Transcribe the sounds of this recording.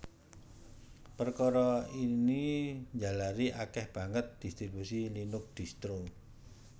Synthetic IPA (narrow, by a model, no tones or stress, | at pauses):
pərkɔɾɔiniɲd͡ʒalaɾiʔakɛhb̥ä̤ŋət̪̚d̪̥i̤st̪ɾibusilinʊk̚d̪̥i̤st̪ɾu